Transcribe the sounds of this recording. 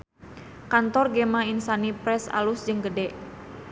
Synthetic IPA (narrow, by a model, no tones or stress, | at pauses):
kant̪ɔrɡemainsanipɾɛsa̰lusd͡ʒɨŋɡədɛʔ